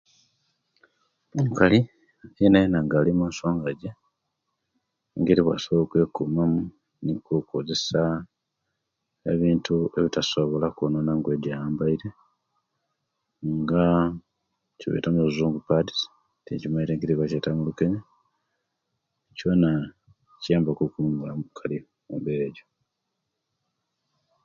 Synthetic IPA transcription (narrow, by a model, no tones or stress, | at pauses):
eŋkali | ejenajenaŋɡalimaso̞ːŋɡaɟe | ŋɡeɾiβwa̰soβookwe̞kumamu | nikukoze̞sa | eβiːntue̞βitasoβo̞lakononaŋɡweːdajaːmbaiɾe | ŋɡa | ciβḛtamuuzuːŋɡupadi̥ | tḛcimaiɾeːŋɡiɾiβwacetamulukene | cona | cijaːmbakokuumulamukʰali | mṵmbeɾeɟo